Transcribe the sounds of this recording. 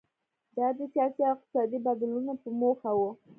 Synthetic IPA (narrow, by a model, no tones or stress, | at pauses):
d̪ɑd̪əsjɑsiawɪq̚t̪ɪ̥sɑd̪ibad̪ilunapəmoxawu